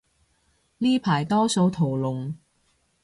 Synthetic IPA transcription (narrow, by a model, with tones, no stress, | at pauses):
liː˥pʰaː˨˩jt̪ɔː˥so˨˧wt̪ʰo˨˩wlʊ˨ŋ